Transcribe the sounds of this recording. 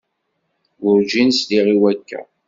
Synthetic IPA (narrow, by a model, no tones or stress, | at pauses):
wʊɾʒinsliʁiwækːæ̰